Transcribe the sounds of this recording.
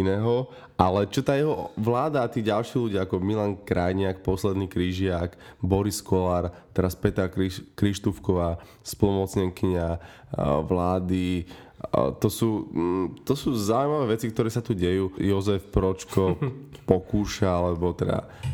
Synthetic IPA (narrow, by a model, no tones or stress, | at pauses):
inɛːɦɔ | ʔalɛt͡ʃɔt̪aːjɛɦɔʋlaːd̪aːt̪iːɟalʃiluɟɪaakɔmilaŋkɾajɲɪakpɔslɛd̪niːkɾiʒɪakbɔɾiskɔlaɾt̪ɛɾaspɛt̪akikɾiʃt̪ufkɔʋaː | spɔlumɔt͡sɲɛŋkiɲa | ʋlaːd̪i | t̪ɔsuːt̪ɔsuːzaujimaʋɛːʋɛt͡sikt̪ɔɾɛːsat̪uɟɛjuːjɔzɛfpɾɔt͡ʃkɔpɔkuːʃaalɛbɔt̪ɛd̪a̰